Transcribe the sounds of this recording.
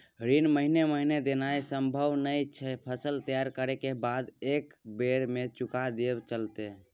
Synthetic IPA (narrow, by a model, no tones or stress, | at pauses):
ɾinməɦineməɦined̪enajsəmbʱəwnəit͡ʃʰɛpʰəsəlt̪əjaɾkəɾekebad̪ekbeɾmet͡ʃukad̪ebt͡ʃəlt̪e